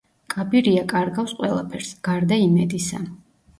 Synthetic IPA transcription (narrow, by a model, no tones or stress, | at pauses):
kʼabiɾiakʼaɾɡafsqʼwɛlˠapʰɛɾsɡ̥aɾd̪aimɛd̪isa̰